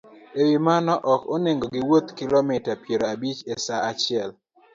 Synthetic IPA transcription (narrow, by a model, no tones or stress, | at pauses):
ewimanɔʔɔkoneŋɡoɡɪwot̪kɪlomitapjeɾoabit͡ʃesaat͡ʃɪɛl